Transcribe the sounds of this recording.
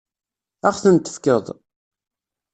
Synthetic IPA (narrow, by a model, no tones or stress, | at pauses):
æχθənt̪ːə̥fkəðˤ